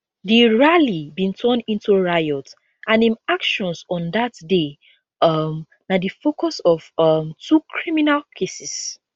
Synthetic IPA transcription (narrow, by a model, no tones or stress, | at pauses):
diɹalibĩntʰɔ̃nĩntʰuɹajɔt | ʔãnĩmakʃɔ̃nsɔ̃ndatde | ʌm | nadifokɔsɔv̥ʌmtʰukʰɹiminalkʰesis